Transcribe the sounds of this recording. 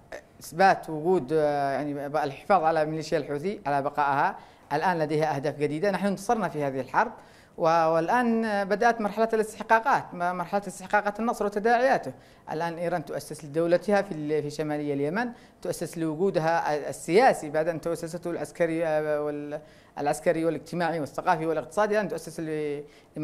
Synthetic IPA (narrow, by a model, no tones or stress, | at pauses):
ɪsbaːt̪wʊɡuːd̪jaʕnialħɪ̥fɑːðˤʕalamɪliːʃɪjalħuːθɪʕalabɑqɑːʔha | ʔalʔaːnlad̪ejhaʔahd̪aːfd͡ʒad̪iːd̪anaħnʊɪnt̪ɑsˤɨɾˤnafihaːðɪhɪlħɑɾˤd̪ˤ | wɪɪlʔaːnbad̪aʔat̪mɑɾˤħalaːt̪alɪst̪ɪħqɑːqɑːt̪mɑɾˤħalaːt̪ɪst̪ɪħqɑːqɑːt̪anːɑsˤɾwɪt̪ad̪aːʕɪjaːt̪ʊ | ʔa̰lʔaːnʔiːɾˤɑːnt̪ʊʔasːɪslɪd̪awlat̪hafifiʃamaːlɪjːaljaman | t̪ʊʔasːɪslɪwʊɡuːd̪ɦasːɪjaːsibaʕd̪ʔɪnt̪ʊʔasːas̬at̪hʊlʕaskaɾiɪ̰ | lʕaskaɾɪjwɪlɪd͡ʒt̪ɪmaːʕiwɪθːaɣɑːfiwɪlɪqt̪ɨ̥sˤɑːd̪iʔaːnt̪ʊʔasːɪsl | lɪ